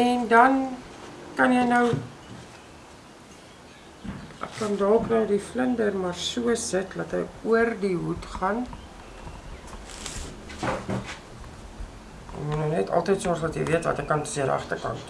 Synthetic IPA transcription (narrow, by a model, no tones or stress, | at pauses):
ɛndɐn | kɐnjɛjnəw | ʔæ̰kːɐndɑːknəwdifləndərmɑrsuəsətlɐtɦəjuərdiɦutχɐn | jɛ̰kmunɔnɛtʰɐ̰lˠtəjtsɑːsɐtjəjviətvɐ̰təkɐntə̥siəɾə̰ʔɐ̰χtərkɐ̰nt